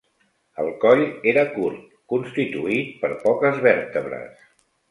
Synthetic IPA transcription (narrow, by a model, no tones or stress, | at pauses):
əlˠkɔʎeɾəkuɾt̪̚kunst̪it̪uit̪̚pəɾpɔkəzβɛɾt̪əβɾə̰s